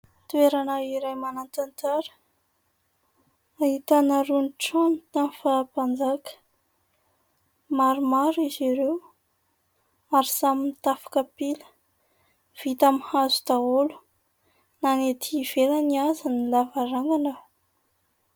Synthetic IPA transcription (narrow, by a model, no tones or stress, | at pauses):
t̪ueɾanaiɾajmanant̪ant̪aɾə̥ | ahit̪anaɾunʈ͡ʂamt̪anifapand͡zakə̥ | maɾumaɾiziɾew | aɾisaminit̪afḁkəpilə̥ | v̥it̪amihazu̥t̪aolu̥ | nanet̪ʰiv̥elaniazanilavaɾaŋɡanə